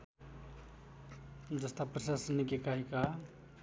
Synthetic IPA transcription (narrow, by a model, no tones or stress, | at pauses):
d͡ʒəst̪apɾəsasənːikekaɦika